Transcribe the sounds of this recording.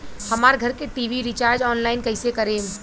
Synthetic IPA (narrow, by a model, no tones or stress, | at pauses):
hɐmaːɾɡʱɐɾkeʈiːʋiɾit͡ʃaːɾd͡ʒɔːnlaːɪnkɐɪsekɐɾẽːm